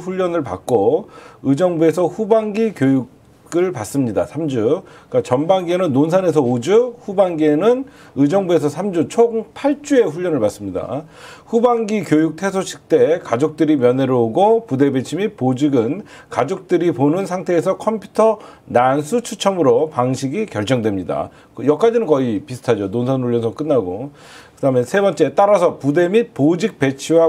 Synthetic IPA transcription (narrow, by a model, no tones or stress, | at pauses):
ɸuʎːʌnɯɭpa̰k̚k͈oɯd͡ʑʌŋbue̞s̬ʰʌɸubaŋɡikjojuɡ | ɯɭpas͈ɯmɲida̰sʰamd͡ʑuk͈at͡ɕʌnbaŋɡienɯnːons̬ʰane̞sʰʌod͡ʑuɸubaŋɡienɯn | ɯd͡ʑʌŋbue̞s̬ʰʌsʰamd͡ʑut͡ɕʰopʰaɭt͡ɕ͈ue̞ɸuʎːʌnɯɭpas͈ɯmɲida̰ | ɸubaŋɡikjojuk̚tʰe̞sʰoɕʰi̥k̚t͈e̞kad͡ʑok̚t͈ɯɾimjʌne̞ɾooɡopude̞be̞t͡ɕʰimit̚pod͡ʑiɡɯnkad͡ʑok̚t͈ɯɾiponɯnsʰaŋtʰe̞ːsʰʌkʰʌmpʰju̥tʰʌnansʰut͡ɕʰut͡ɕʰʌmɯɾopaŋɕʰiɡikjʌɭt͡ɕ͈ʌŋdwe̞mɲida̰ | kjʌk͈ad͡ʑinɯnkʌipisʰɯ̥tʰad͡ʑononsʰannuʎːjʌnsʰʌk͈ɯnːaɡo | kɯdame̞nsʰe̞bʌnt͡ɕ͈e̞t͈aɾasʰʌpude̞mit̚pod͡ʑik̚p͈e̞t͡ɕʰiwa